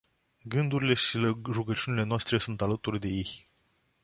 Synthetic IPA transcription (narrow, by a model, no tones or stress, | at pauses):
ɡɨnd̪uɾile̞ʃiɾuɡət͡ʃiunile̞noast̪ɾe̞sunt̪alət̪urʲd̪e̞je̞j